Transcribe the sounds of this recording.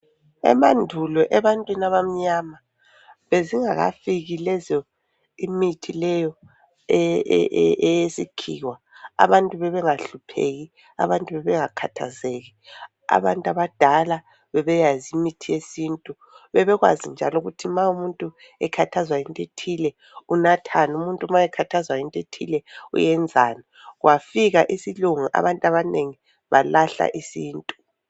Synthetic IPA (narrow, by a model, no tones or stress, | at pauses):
ɛ̰mandʱulɔʔɛβantʼwinaβam̩ɲama | βeziŋaɣa̰fiɣilɛzɔ | imitʰilɛjɔ | ɛjesikʰḭːwa | a̰βantʼuβɛβɛŋaɬupʰḛɣi | a̰βantʼuβɛβɛŋakʰa̰tʰa̰zeɣi | a̰βantʼaβad̥ʱala | βɛβɛjazimitʰijesiːntʼu | βɛβɛɣwa̰zind͡ʒʱa̰lɔɣutʰimaumuntʼu | ɛkʰatʰazwajintʼetʰilɛ | unatʰanumuntʼumajɛkʰatʰazwajintʼetʰilɛṵjɛnd͡zʱaːna | ɣwʔafiɣaʔisiluŋuʔa̰βantʼaβaneŋi | βalaɬa̰ʔisiːntʼu̥